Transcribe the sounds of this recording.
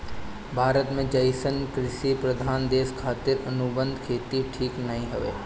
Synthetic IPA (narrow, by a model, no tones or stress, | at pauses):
bʱaːɾət̪mẽd͡ʒɐɪsənkɾɪʃipɾɐd̪ʱaːnd̪eːskʰaːt̪ɪɾɐnubə̃nd̪ʱkʰeːt̪iʈʰiːknɐɦĩɦɐʋḛː